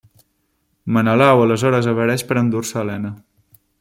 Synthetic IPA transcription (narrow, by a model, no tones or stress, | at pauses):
mənəlawələzɔɾəzəβəɾɛʃpəɾənd̪uɾsəːlɛnə